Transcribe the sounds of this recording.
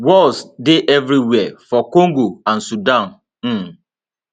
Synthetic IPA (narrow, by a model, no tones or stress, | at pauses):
wɔlsdɪʔevɾiwɛfɔkoŋɡoan̩sudãn̩